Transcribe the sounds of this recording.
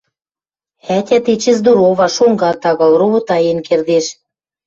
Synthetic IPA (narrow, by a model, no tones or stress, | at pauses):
ætʲæt̪et͡ɕɘ̆zd̪uɾoβɑʃoŋɡɑt̪ɑɣɑ̆lroβŏt̪ɑjenkerd̪eʃ